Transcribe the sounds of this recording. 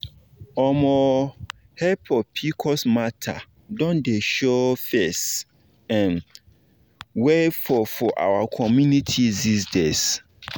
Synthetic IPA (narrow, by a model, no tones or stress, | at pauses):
ɔmɔ | hɛpʰɔpʰikʰɔsmatʰa̰ | dɔ̃ndeʃofɛs | ɛ̃n | wefɔfɔʔa̰wakʰɔmjunitʰidisdes